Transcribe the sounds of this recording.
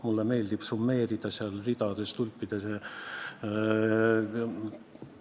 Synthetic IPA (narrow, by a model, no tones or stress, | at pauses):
mulːemeːld̪ib̥sumːeːrid̪ɑseɑlrid̪ɑd̪est̪ulʲpːid̪̥ɑse